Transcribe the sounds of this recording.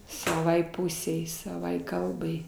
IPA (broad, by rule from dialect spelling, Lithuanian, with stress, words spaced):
sɐˈʋɐɪ ˈpʊsʲɛɪ sɐˈʋɐɪ ˈkɐlˠbɐɪ